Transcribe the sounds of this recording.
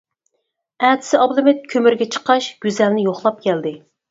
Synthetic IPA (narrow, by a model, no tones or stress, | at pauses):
æːt̪ʰɪ̥sɪɑblˠɨmɪt̪̚kʲʰømyɾɡʲɛt͡ʃʰə̥qɑʃɡ̥ʲyzɛlnɪjoχlˠɑp̚kʲʰɛld̪ɪ